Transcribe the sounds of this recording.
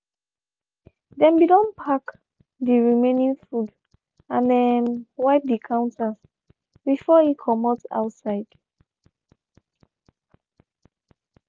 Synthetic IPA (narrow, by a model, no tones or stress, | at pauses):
dɛ̃nbidɔ̃npʰak | diɹimẽnĩŋfud | ãndɛnwaɪp̚dikʰãʊ̃ntas | bifɔikʰɔmɔtsa̰ʊtsaɪd̥